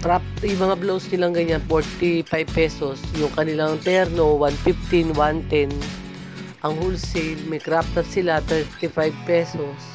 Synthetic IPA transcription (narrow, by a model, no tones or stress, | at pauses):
kɾap̚t̪jʊmɐŋablowsnɪlaŋɡɐɲanpoɹt̪ipajb̚pɛsosjʊŋkɐnɪlaŋt̪ɛɾnowanfift̪ɪnwant̪ɛn | ʔɐŋhulsɛlmɐjkɾap̚t̪ɛɾsɪlat̪ɛɹt̪ifajb̚pɛsos